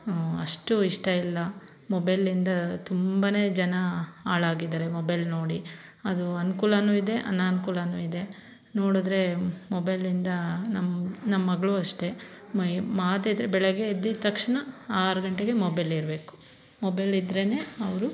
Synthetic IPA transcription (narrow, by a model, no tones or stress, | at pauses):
ɐ̰ʂʈuiʂʈɐilːɐ | mobɐjlːind̪ɐt̪umbɐne̞ːd͡ʒɐnɐaːɭaːɡid̪aːɾe̞mobɐjlno̞ːɽi | ɐd̪uɐnukuːlɐnuːid̪e̞ʔɐ̰nːaːnukuːlanuːid̪e̞ | no̞ːɽud̪ɾe̞mobɐjlind̪ɐnɐmnɐmɐːɐɡɐɭuɐʂʈe̞ | maːt̪eːd̪ɾebɛɭɛɡeːd̪ːit̪ɐkʂɐɳɐaːɾuɡɐɳʈeɡe̞mobɐjliɾɐbe̞ːku̥ | mobɐjlid̪ɾene̞ːɐʋɐɾu